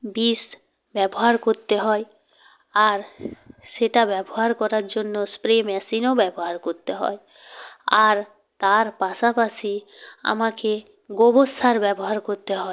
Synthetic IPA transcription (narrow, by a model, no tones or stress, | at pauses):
bisʈ | bɛboɦaɾkoɾt̪eɦɔe | aɾʃeʈabɛboɦaɾkɔɾaɾd͡ʑonːospɾemɛsinobɛboɦaɾkoɾt̪eɦɔ̰e | aɾ | t̪aɾpaʃapaʃi | a̰make | ɡobost̪ʰaɾbɛboɦaɾkoɾt̪eɦɔe